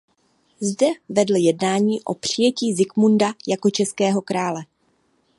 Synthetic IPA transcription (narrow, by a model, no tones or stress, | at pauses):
zdɛvɛdl̩jɛdnaːɲiːʔo̞pr̝̥ɪjɛciːzɪkmundajako̞t͡ʃɛskɛːɦo̞kɾaːlɛ